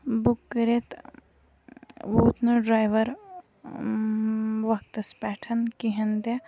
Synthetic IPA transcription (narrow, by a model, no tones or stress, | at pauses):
bukːɐɾet̪ | ʋuːt̪nɐɖɾaːjʋɐɾ | ʋɐk̚t̪ɐspɛːʈʰɐnkiɦɐnd̪jɐ